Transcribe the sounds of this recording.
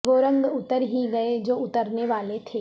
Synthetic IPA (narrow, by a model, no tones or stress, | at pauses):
ʋoːɾə̃ŋɡʊt̪əɾɦiɡɐed͡ʒoːʊt̪əɾneʋaːlet̪ʰeː